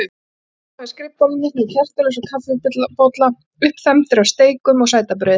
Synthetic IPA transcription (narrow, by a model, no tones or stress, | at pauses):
askɾɪpt̪amɪnːɪnɛcʰɛr̥t̪ɛlɛsɔkʰafɪpɪt̪lapowt̪la | ʏhpfɛmt̪ɪɾast̪eːjkʏmɔɣsaːjt̪ap̬ɾœːð